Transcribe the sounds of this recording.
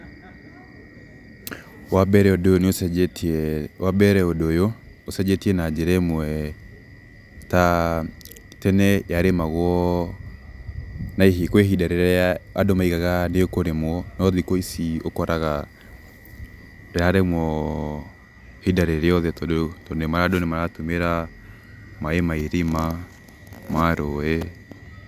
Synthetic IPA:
wabɛɾɛodooneosɛtwabɛɾɛodojo | osɛd͡ʒetiɛnad͡ʒɛɾɛmwɛ | ta | tɛnɛjaɾemaɣwɔ | naiɦikweɦidaɾeɾɛaadomaiɣaɣaneokoɾemwɔnɔðikoisiokɔɾʔaɣa | ɾaɾemwɔ | hidaɾeɾeɔðɛtɔdtɔnemaɾadonemaɾatomeɾa | maemaiɾima | maɾoɛ

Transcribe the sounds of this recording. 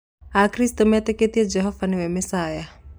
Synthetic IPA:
akɾist̪ɔmat̪eket̪iɛd͡ʒɛɦɔvaniwɛmɛsaːja

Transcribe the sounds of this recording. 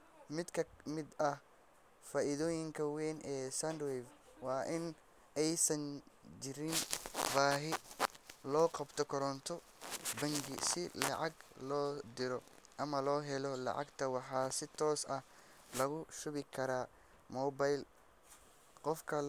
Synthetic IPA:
mɪd̪kʰɐmɪd̪ɐh | faːʔɪðɔːjɪŋkʰɐwɛːnʔɛːsand̪wɛv | wɑːʔɪn | ɛjsɐnd͡ʒɪɾɪnbaːɦɪ | lɔːqɑbt̪ʰɔkʰɔɾɔnt̪ʰɔ | bɐŋɡɪ̰sɪlɑ̰ʕɑɡlɔːd̪ɪɾɔʔɐmɐlɔːɦɛlɔlɑ̰ʕɑ̰ɡt̪ʰɐwɑħɑːsɪt̪ʰɔːsɐh | lɐɣʊʃʊβɪkʰɐɾaː | mɔːbajl | qɔfkʰɐl

